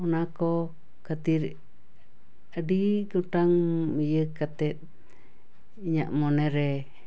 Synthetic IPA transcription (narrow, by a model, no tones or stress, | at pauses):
ɔnakɔ | kat̪iɾ | adikuʈaŋmijəkat̪ɛt̪̚ | iɲa̰ʔmɔneɾɛ